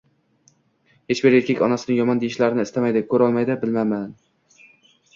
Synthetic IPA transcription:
het͡ʃbɪɾeɾkʲʰekʲɒnasɪnɪjɒmɒnd̪eɪʃlaɾɪnɪːst̪ʰamajd̪ɪkʰɵɾɒlˠmajd̪ɪbɪlmaman

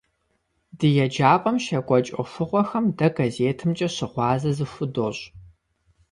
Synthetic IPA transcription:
dɨjɛd͡ʒaːpʼɐmʃɐɡʷɔt͡ʃʼɐ̰fʊʁʷɔxɐmdɐɡɐzeːtʰɨmt͡ʃʼɐɕɪʁʷɑːzɐzɨfʷʊdoːɕ

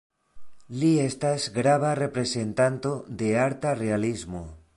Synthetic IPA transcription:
liest̪azɡɾaβarepɾesent̪ant̪oðeaɾt̪arealizmo

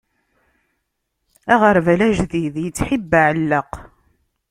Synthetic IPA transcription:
æʁəɾvælæʒðiðjət͡sːħibːaʕəlːəq

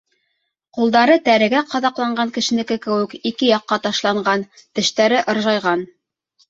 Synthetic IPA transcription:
qulˠd̪ɑɾɤt̪æɾɘ̆ɡæqɑðɑqlˠɑɴɢɑŋkɘ̆ʃɘ̆nɘ̆kɘkɘ̆wɘ̆kikɘjɑqːɑt̪ɑʃlˠɑɴɢɑnt̪ɘ̆ʃt̪æɾɘʔɤ̆ɾʒɑjʁɑn

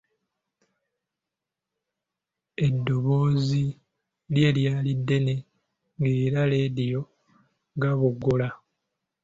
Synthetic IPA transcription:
e̞dːo̞βoːzi | ljeːljaːlidːe̞ne̞ | ŋɡeːɾaleːdijo̞ | ɡaβuɡːola

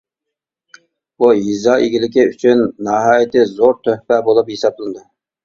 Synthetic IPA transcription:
buɦizɑːʔeɡʲilɪkʲiyt͡ʃʰynːɑɦɑːjɪt̪ɪzoɾt̪ʰøhpɛbolˠupjesɑblˠɨnɨd̪ɨ

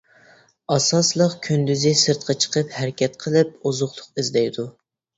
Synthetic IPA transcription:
ɑsɑslˠəqkʲʰynd̪yzɪsɨɾt̪̚qʰɑt͡ʃʰə̥qəphæɾɪkʲɛt̪̚qʰəlˠɨp̚ozʊχlˠʊqɪzd̪ɛjd̪u

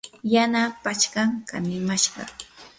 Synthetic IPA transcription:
janapat͡ʃkaŋka̰nɪmaʃɢɑ̰

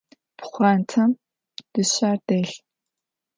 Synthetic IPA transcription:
pʰχʷaːntʰɐm | d̥ɨɕaːrdeːɬ

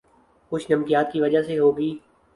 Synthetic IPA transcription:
kʊt͡ʃʰnəmkɪjaːt̪̚kiːʋəd͡ʒaseɦoːɡiː

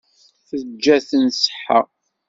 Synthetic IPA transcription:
θəd͡ʒːæθənsə̥ħə

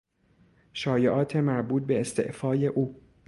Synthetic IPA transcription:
ʃɒːjeʔɒːt̪ʰe̞mæɾbuːt̪̚be̞ːst̪e̞̰ʔfɒːje̞ʔuː

